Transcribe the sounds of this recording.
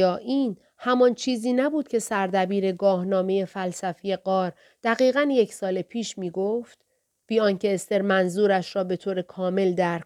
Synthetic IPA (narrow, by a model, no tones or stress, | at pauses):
ɒːʔiːn | hæmɒnt͡ʃʰiːziːnæbuːd̪̥cʰe̞sæɾd̪æbiːɾe̞ɡɒːhnɒːme̞je̞fælsæfije̞ɢɒːɾ | d̪̥æɣiːɣænje̞cʰsɒːlepʰiːʃmiːɡoft̪ | b̥iːɒːncʰe̞ːst̪e̞ɾmænzuːɾæʃɾɒːbe̞t̪ʰoːɾe̞kʰɒːme̞ld̪æɾ